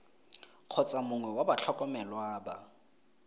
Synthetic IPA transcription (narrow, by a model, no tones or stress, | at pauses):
q͡χʰɔt͡sʼamʊŋwɛwabat͡ɬʰɔkʼɔmɛlwaːba